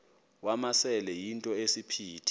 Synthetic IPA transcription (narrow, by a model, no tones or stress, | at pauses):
wamasɛlɛjintʼɔesipʰiːtʰi̥